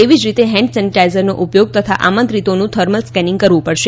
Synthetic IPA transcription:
eʋid͡ʒɾit̪eɦɛ̃ɳɖsɛniʈaizəɾno̰ʔupjoɡ̚t̪ət̪ʰa̰ʔamə̃nt̪ɾit̪onũt̪ʰəɾməlskɛnĩŋɡkəɾʋũpəɽʃe

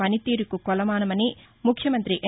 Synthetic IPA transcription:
ɐnit̪iːɾikukɔlɐmaːnɐmɐni | mukʰːjɐmɐnt̪ɾiʔe

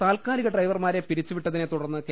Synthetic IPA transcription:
t̪aːlkaːliɣɐɖrɐjʋɐrmaːɾe̞piɾit͡ɕːuʋiʈːɐðinet̪uɽɐrnːɨk

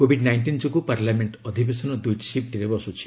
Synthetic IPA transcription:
kobʱiɖnajɳʈind͡ʒɔkupaɾlameɳʈɔd̪ʱibesɔnɔd̪ujʈsip̚ʈiɾebɔsut͡ʃʰi̥

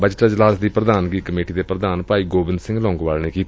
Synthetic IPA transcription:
bət͡ʃʈ̪aːd͡ʒəlaːsd̪iːpɾəd̪aːnɡiːkəmeːʈiːd̪eːpɾəd̪aːnpaːiːɡoːbɪnd̪sɪ̃ŋɡlɔ̃ːŋɡʋaːlneːkiːt̪

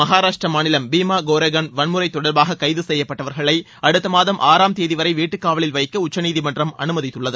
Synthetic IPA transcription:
mɐɦaːɾaːʂʈrɐmaːnɪlɐmbiːmaːɡoːɾɐɣɐnʋɐnmɯɾɐɪt̪ːɔɽɐɾbaːɣɐkɐɪðɯsɛjːɐpːɐʈːɐʋɐɾɣɐɭɐɪ | ɐɽɯt̪ːɐmaːðɐmʔaːɾaːmt̪eːðɪʋɐɾɐɪʋiːʈːɯkːaːʋɐɭɪlʋɐɪkːɐʊt͡ʃːɐniːðimɐndrɐmɐ̰nɯmɐðɪt̪ːɯɭːɐðɯ

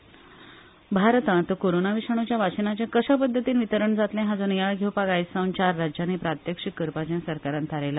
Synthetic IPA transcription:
bʱaɾt̪ãt̪əkoɾonaʋiʂaɳ̃ut͡ɕjaʋat͡ɕənat͡ɕjakəɕap̬əd̪ʱːət̪iːnʋit̪əɾəɳd͡zat̪lɛ̃ɦãd͡zonjaɭɡʱewpaɡajsə̃w̃nt͡ɕaɾːad͡ʑjanepɾat̪jəkʂikəɾpat͡ɕãnsəɾkaɾãnt̪ʰaɾela

